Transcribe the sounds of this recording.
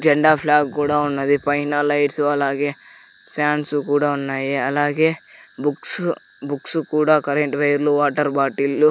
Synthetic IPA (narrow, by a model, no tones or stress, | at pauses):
d͡ʒɐɳɖaːpʰlaːɡkuːɽɐunːɐd̪ipɐjnɐlɐjɖsuɐlaːɡe | paːnsukuːɽaunːaːjeɐlaːɡe | buks | buksukuːɽakɐɾeɳʈʋɐjɾluʋaːʈɐɾbaːʈilu